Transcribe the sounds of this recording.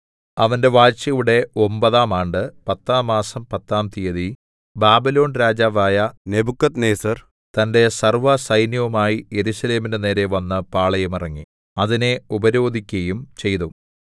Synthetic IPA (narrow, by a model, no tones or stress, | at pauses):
ɐʋɐnde̞ʋaːt͡ɕɐjuɽe̞o̞mbɐðaːmaːɳɖɨpɐt̪ːaːmːaːsɐmpɐt̪ːaːmt̪ijɐði | baːbilo̞ːnɾaːd͡ʑaːʋaːjɐnebukːɐt̪neːsɐr | t̪ɐnde̞sɐrʋɐsɐjnjɐʋɐmaːjije̞ɾusɐle̞ːminene̞ːɾe̞ʋɐnːɨpaːɭɐjɐmirɐŋːi | ɐðine̞ubɐɾo̞ːd̪ʱikʲːɐjumt͡ɕe̞jt̪u